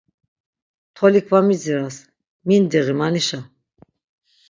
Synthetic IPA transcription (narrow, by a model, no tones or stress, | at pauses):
t̪ʰɔlikʰvamiziɾas | mind̪iʁimaniʃa